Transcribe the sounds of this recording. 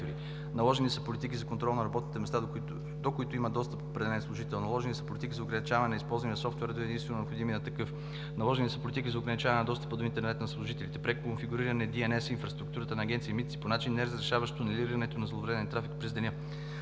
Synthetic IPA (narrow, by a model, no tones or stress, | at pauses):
ɾi | nɐlˠɔʒɛnisəpolit̪ikʲizɐkont̪ɾɔlˠnɐɾɐbɔt̪nit̪ɛmɛst̪a | d̪okoit̪ʊimɐd̪ɔst̪əpopɾɛd̪ɛlɛnslˠʊʒit̪ɛlˠnɐlˠɔʒɛnisə̥polʲit̪ikizɐoɡɾɐnit͡ʃavɐnɛnɐispɔlˠzvɐniɐsɔft̪vɛɾəd̪oɛd̪insɛnonopxod̪iminɐt̪ɐkɤf | nɐlˠɔʒɛnisəpolʲit̪ik̬izɐoɡɾɐnit͡ʃavɐnnɐd̪ɔst̪ə̥pəd̪oint̪ɛɾnɛt̪nɐslˠʊʒit̪ɛlit̪ɛpɾɛkonfiɡuɾiɾɐnɛd̪iɛnɛsinfɾɐst̪ɾuk̚t̪uɾət̪ənɐːɡ̟ʲɛnt̪siimit̪t̪siponat͡ʃinːɛɾɐzɾɛʃavɐʃt̪onɛliɾiɾɐnɛt̪onɐzlˠovɾɛɛnt̪ɾafikpɾɛzd̪ɛnʲə